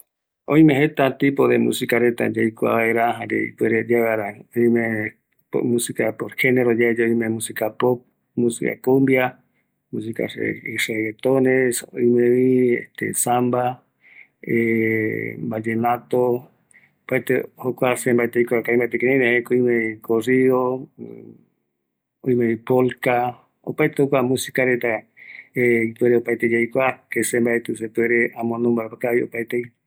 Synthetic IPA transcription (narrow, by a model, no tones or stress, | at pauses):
õj̃mẽɦet̪at̪ipoðemṵ̃sikaɾet̪a̰d͡ʒajkʷa̰βaeɾaɦãɾḛḭpeɾed͡ʒaɡaɾanõĩmẽ | mũsikapoɾheneɾod͡ʒaed͡ʒojmẽmũsikapop | mũsika̰kombia | mũs̬ika̰sḛisalet̪onesõ̰ĩmẽβiḛht̪ḛsamba | e | mbad͡ʒenãt̪o | opaet̪ehokʷasembaet̪eikʷakaĩmbaet̪ekenĩnehekoĩmẽikorio | oijmẽβipolka | o̰paet̪ehokʷamũsikaɾet̪a | eip̪ueɾeopaet̪ed͡ʒajkʷakesembaet̪us̬ep̪ueɾeamõnõmbaepakaiopaet̪ei